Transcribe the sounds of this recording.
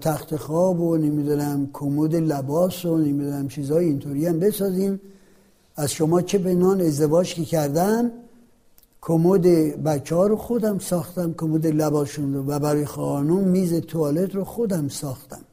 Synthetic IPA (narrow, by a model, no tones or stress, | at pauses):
t̪ʰæxt̪exɒːbonemid̪unæmkʰomod̪elæbɒːsonemid̪unæmt͡ʃʰiːzhɒːjeint̪ʰoːɾiːæmbe̞sɒːziːm | æzʃomɒːt͡ʃʰe̞pe̞nhɒːne̞zd̪e̞vɒːd͡ʒkʰecʰæɾd̪æn | kʰomod̪ebæt͡ʃʰːɒːɾoxod̪æmsɒːxt̪æmkʰomod̪elæbɒːsʃunɾovæbæɾɔːjexɒːnumːiːzet̪ʰoɒːle̞d̪ɾoxod̪æmsɒːxt̪æm